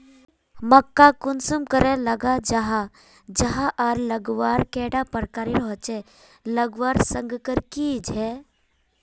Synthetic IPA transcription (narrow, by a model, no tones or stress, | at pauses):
məkːakʊnsumkəɾeləɡad͡ʒaɦa | d͡ʒɐɦaʔaɾləɡʋaːɾkeːɖapəɾkaːɾiɾɔɦt͡ʃe | ləɡʋaːɾsə̃ŋɡkəɾkid͡ʒʱɛː